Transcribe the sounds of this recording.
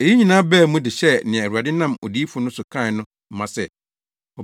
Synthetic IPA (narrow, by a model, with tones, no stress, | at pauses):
e˨ji˦ɲĩ˨nãː˦bɛː˦˨˦mũ˦dɪ˨ɕɛ˦˨nɪ̃˨æ˨a˨dɪ˦nã˦˨mo˨di˨˦fʊ˦nʊ̃˦sʊ˨kʰã˦˨˦nʊ̃˦ | m̩˦mã˨sɛ˦ | ɔ˨